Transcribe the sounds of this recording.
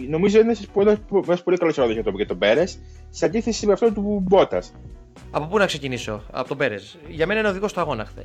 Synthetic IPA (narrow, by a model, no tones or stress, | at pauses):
no̞mizoinesɐspenɐɐspolikɐlosɾoðozɐt̪opcet̪o̞beɾesː | eɐnd̪iθe̞simeɐft̪ot̪ubo̞t̪ɐs | ɐpo̞punɐkse̞ciniso̞̰ɐ̰pot̪obe̞ɾes | ʝɐme̞nɐineoðiɣo̞st̪oɐɣo̞nɐxθe